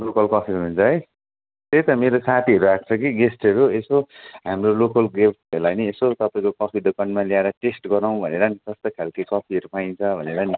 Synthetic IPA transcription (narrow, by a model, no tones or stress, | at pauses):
lokʌlkʌpʰiɾuunt͡sʰʌɦʌj | t̪et̪ʌmeɾosat̪ʰiʌɾuak̚t͡sʰʌkiɡesʈʌɾuesoɦamrolokʌlɡep̚ʈʌlajniesot̪ʌpaĩkokʌpʰid̪okʌnmaliaeɾʌʈesʈɡʌɾaw̃bʱʌneɾʌnikʌst̪ʌkʰalkikʌpʰiʌɾupaj̃nt͡sʰʌbʱʌneɾʌni